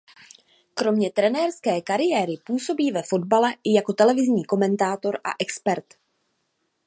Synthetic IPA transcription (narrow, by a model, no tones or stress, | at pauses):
kɾo̞mɲɛt̪ɾɛnɛːɾskɛːkaɾɪjɛːɾɪpuːso̞biːvɛfo̞dbalɛʔɪjako̞t̪ɛlɛvɪzɲiːko̞mɛnt̪aːt̪o̞ɾʔa̰ʔɛkspɛɾt̪